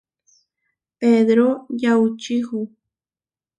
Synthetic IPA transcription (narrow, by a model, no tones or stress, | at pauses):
ped̪ɾojawt͡ʃɪhʊ